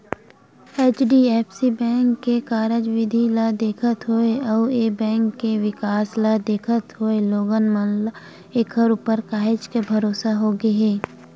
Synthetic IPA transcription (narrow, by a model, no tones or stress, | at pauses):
eːt͡ʃɖiɛːpsibɛ̃ːŋkːekaːɾəd͡ʒʋɪd̪ʱilad̪eːkʰət̪ɦoeɐʊeːbɛ̃ːŋkːeʋɪkaːslad̪eːkʰət̪ɦoeloːɡənmənl | eːkʰəɾupəɾkaːɦɪd͡ʒkebʱɐɾoːsaɦoːɡeɦɛː